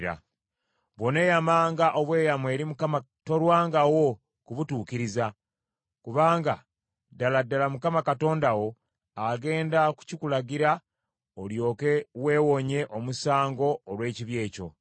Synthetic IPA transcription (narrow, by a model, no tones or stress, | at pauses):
ɾa̰ | βo̞ne̞jamaːŋɡaʔo̞βwe̞ːjamwe̞ːɾimukama | to̞ɾwaːŋɡawo̞ | kuβutuːkiɾiza | kuβaːŋɡa | daladːalamukamakato̞ːndawo̞ | aɡe̞ːndaku̥cikulaɡiɾa | oljo̞ːkewe̞ːwo̞ɲe̞ʔo̞musaːŋɡo̞ːlwe̞ːciβje̞ːco̞̰